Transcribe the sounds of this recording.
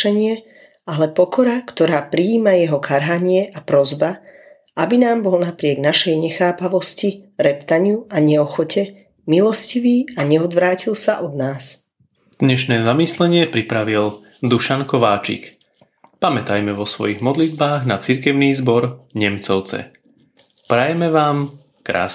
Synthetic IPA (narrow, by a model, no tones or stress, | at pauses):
ɛɲɪɛ | alɛpɔkɔɾakt̪ɔɾaːpɾiːmajɛɦɔkʰaɾɦaɲɪɛʔapɾɔzba | abinaːmbɔlnapɾɪɛɡnaʃɛjɲɛxaːpaʋɔsciɾɛpt̪aɲɪuaɲɛɔxɔcɛ | milɔsciʋiːaɲɛɔd̪ʋɾaːcilsaʔɔd̪naːs | d̪̥ɲɛʃnɛːzamislɛɲɪɛpɾipɾaʋil | d̪uʃankɔʋaːt͡ʃḭk | pamɛt̪ajmɛʋɔsʋɔ̰jiɣmɔd̪lid̪̚baːɣnat͡siɾkɛʊniːzbɔɾɲɛmt͡sɔʊt͡sɛ̰ | pɾajɛmɛʋaːm | kɾa̰ːs